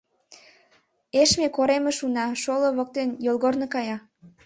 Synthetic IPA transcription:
eʃmekoɾemeʃunɑʃoloβok̚t̪enjolˠɣornɤkɑjɑ

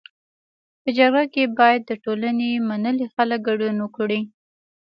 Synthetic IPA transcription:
pəd͡ʒaɡɽakebɑjad̪ːəʈolanemanəlixalək̚ɡaɖunəkɽi

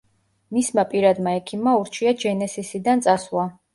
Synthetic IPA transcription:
mismapʼiɾad̪maɛkʰimːauɾt͡ʃʰiad͡ʒɛnɛsisid̪ant̪sʼaswa

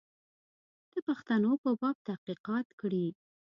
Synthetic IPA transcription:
d̪̥əpaxt̪anopəbɑb̚t̪ahqiqɑt̪kɽi

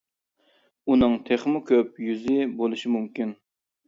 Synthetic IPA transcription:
unɨŋt̪ʰeχmʊkʲʰøp̚jyzɪbolˠuʃimumkʲin

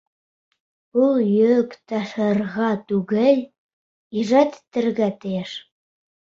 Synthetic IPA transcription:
ulˠjøkt̪ɑʃɤ̆rɣɑt̪uɣɘlʲ | iʒæt̪t̪ːɘ̆rɣæt̪̆eʃ

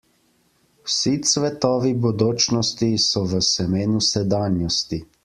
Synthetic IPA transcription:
wsit̪sʋɛt̪ɔːʋibɔd̪oːt͡ʃnɔst̪isɔʋəsɛmeːnusɛd̪aːnjɔst̪i

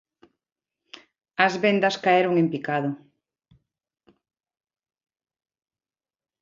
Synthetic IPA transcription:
ɐzβend̪ɐskaeɾoŋempikaðʊ

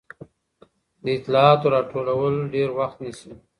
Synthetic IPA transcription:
d̪əɪt̪lɑɑt̪oɾɑʈʰolawəloɖeɾwaxt̪nisi

